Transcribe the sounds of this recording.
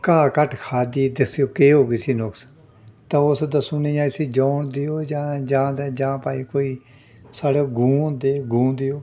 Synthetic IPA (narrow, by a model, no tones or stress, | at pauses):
kaːkəʈʰkʰaːd̪iːd̪ɪsjoːkeːɦoːɡiːsiːnʊks | t̪ãːʊsd̪əsʊniːjãːɪsiːd͡ʒaːɳd̪ɪjoːd͡ʒaːd͡ʒãːd̪ɛːd͡ʒãːpaːiːkoːiː | saːɽeːɡʱũːd̪eːɡʱũːd̪ɪjoː